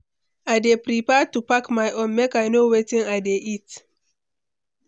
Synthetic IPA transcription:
aɪdepɹipɛtupakmajʔõnmekajnowetĩŋaɪdeʔit

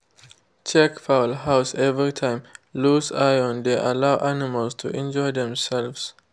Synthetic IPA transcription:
t͡ʃɛkfaʊlɦaʊsɛvɹitʰãɪ̃mlusajɔ̃nd̪eʔa̰lawʔanɪmalstʰṵʔɛ̃nd͡ʒɔɪd̪ɛ̃msɛlvs

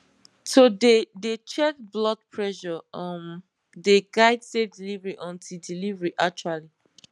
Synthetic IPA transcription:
sodedet͡ʃɛt̚blɔt̚pʰɹɛʃɔʌm | deɡaɪdsefdilivəɹiʔɔ̃ntʰildilivəɹiʔak̚t͡ʃuali

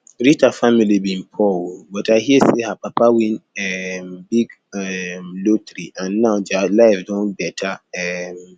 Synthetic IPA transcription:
ɾitafamilibĩnpʰɔwobɔtʰaɪhiɛsehapʰapʰawĩnɛmbiɡ | ɛmlotɾiʔãnːãʊd͡ʒalaɪfdɔ̃nbɛtʰaɛm

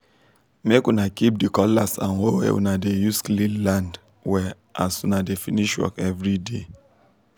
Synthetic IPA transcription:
mekwunakip̚dikɔlasã̰nhowḛwṵnadejusklilãnd | wɛ | ʔasunadefiniʃwɔ̰kɛvɹide

